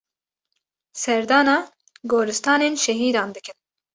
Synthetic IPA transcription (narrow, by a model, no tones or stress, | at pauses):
sɛɾd̪ɑːnɑː | ɡoːɾɨst̪ɑːneːnʃɛɦiːd̪ɑːnd̪ɨkɨn